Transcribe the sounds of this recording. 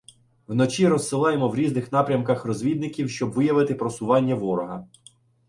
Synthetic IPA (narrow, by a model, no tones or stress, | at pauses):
wnɔt͡ʃʲiɾɔsːɪlˠɑjemɔwɾʲiznɪxnɑpɾʲɐmkɐxrɔzʲʋʲid̪nɪkʲiwʃt͡ʃɔbʋɪjɐʋɪt̪ɪpɾɔsʊʋɑnʲːɐʋɔɾɔɦɐ